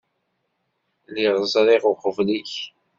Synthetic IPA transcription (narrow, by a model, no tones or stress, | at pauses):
liʁəzˤɾˤeʁʊqəvliç